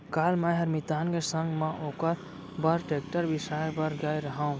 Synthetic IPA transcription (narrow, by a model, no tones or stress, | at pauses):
kalməɦəɾmit̪aːnkesəŋɡmãʔoːkəɾ | bəɾʈekʈəɾbisabəɾɡajɾəɦaũ